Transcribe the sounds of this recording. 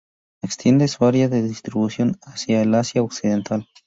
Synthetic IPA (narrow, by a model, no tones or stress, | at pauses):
ekst̪je̞nd̪esuaɾjaðeðist̪ɾiβusjo̞nasjaelasjaoksiðe̞nt̪al